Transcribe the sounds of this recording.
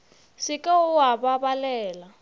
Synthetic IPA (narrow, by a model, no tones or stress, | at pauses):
sikʼauɦaβaβalɛːla